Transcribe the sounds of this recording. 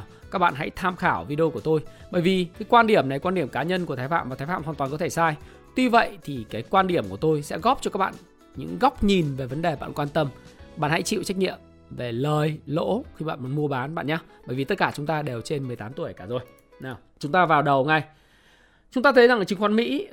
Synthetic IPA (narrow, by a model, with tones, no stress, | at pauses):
kaː˦˥k̚ɓa̰ː˧˨nɦa̰˧˥jt̪ʰaː˧mxaː˧˩wvi˧ɗi˧o˧ku˧˩ət̪o˧jɓəː˧˩jvi˨˩kaː˨˦jkwaː˧nɗi˧˩əmna˨˩jkwa˧nɗi˧˩əmkaː˨˦ɲə˧nku˧˩əaː˨˦jfa̰ː˧˨maː˨˩t̪ʰaː˨˦fa̰ː˧˨mhaː˨˩nt̪wːnkɔ˨˦t̪ʰe˧˩saː˧j | t̪wi˧və̰˧˨jt̪ʰi˨˩kaː˨˦jkwaː˧nɗi˧˩əmku˧˩ə˩t̪o˧jsɛ̰˧˥ɣɔ˦˥p̚t͡ɕɔ˧kaː˦˥k̚ɓa̰ː˧˨n | ɲɨ̰˧˥ŋɣa˦˥wk͡p̚ɲi˨˩nve˨˩və˨˦nɗe˨˩ɓa̰ː˧˨nkwaː˧nt̪ə˧mɓa̰˧˨nha̰˧˥jt͡ɕḭ˧˨wt͡ɕa˦˥k̟̚ɲḭ˧˨əm | ve˨˩ləː˨˩jlo̰˧˥xi˧ɓa̰ː˧˨mo˨˦˩n̚mu˧əɓaː˨˦nɓa̰ː˧˨nɲa˧ɓəː˧˩jvi˨˩˦t̚kaː˧˩t͡ɕʊ˨˦ŋ͡mt̪aː˧ɗe˨˩wt͡ɕe˧nmɨ˨˩əjt̪aː˨˦mt̪u˧˩ə˨jkaː˧˩zo˨˩j | naː˨˩w | t͡ɕʊ˨˦ŋ͡mt̪aː˧vaː˨˩wɗə˨˩wŋa˨˩j | t͡ɕʊ˨˦ŋ͡mt̪aː˧˨˦jza˨˩ŋ˨t͡ɕɨ˨˦ŋxwa˧nmḭ˧˥